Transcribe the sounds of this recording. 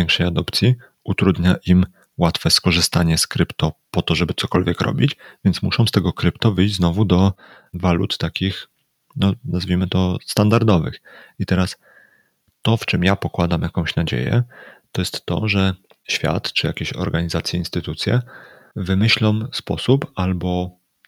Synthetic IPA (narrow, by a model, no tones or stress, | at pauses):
ɛ̃ŋkʂɛjad̪ɔpt̪sʲji | ut̪ɾud̪ɲaʔim | wat̪fɛskɔʐɘst̪aɲɛskɾɘpt̪ɔpɔt̪ɔʐɛbɘt̪sɔkɔlvʲjɛkɾɔ̰bʲit͡ɕvʲjɛnt̪smuʂɔ̃w̃st̪ɛɡɔkɾɘpt̪ɔvɘjʑd͡ʑznɔvud̪ɔ | valṵt̪ːakʲix | nɔnazvʲimɘt̪ɔst̪and̪aɾd̪ɔvɘ̰xit̪ɛɾas | t̪ɔft͡ʂɘmjapɔkwad̪amjakɔ̃w̃ɕnad͡ʑḛjɛ̰t̪ɔjɛst̪ːɔ̰ʐɛ | ɕfʲja̰t̪t͡ʂɘjakʲeɕɔ̰ɾɡaɲizat̪sʲjɛinst̪ɘt̪ut̪sʲjɛ̰ | vɘmɘɕlɔ̃mspɔsupalbɔ